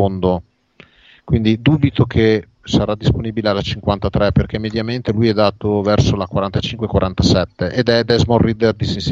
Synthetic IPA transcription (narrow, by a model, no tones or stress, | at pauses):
ond̪o | kwind̪id̪uːbit̪okʰe | saɾad̪ːisponiːbilealːat͡ʃiŋkwant̪at̪ɾɛperk̟emed̪jament̪elujɛd̪aːt̪ovɛrsolakwaɾant̪at͡ʃiŋkwekwaɾant̪asɛt̪ːeʔed̪ɛd̪ɛzmorːid̪erd̪isins